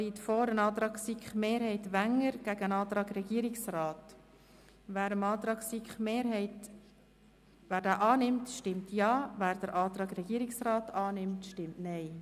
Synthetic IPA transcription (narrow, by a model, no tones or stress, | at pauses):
iːtfoːɾənɑːt̪ɾɑːksikχmeːɾhɛɪtʋæŋəɾɡ̥æɡəənɑːt̪ɾɑːɡɾɛɡiːəɾɪksrɑːt | ʋæːɾəmɑːt̪ɾɑːksikχmeːɾhɛɪt | ʋæːɾdæːʔɑːnɪmtʃtɪmtjɑːʋæːɾd̥̪əɾʔɑːt̪ɾɑːɡɾɛɡ̥iːəɾɪksrɑːtʰɑːnɪmtʃtɪmtnɛɪ